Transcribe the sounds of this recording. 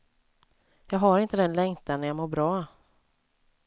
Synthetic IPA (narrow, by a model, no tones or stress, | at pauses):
jɑːɡɦaɾɪnt̪əd̪ɛnlɛŋt̪anɛjamoːɾbɾɑː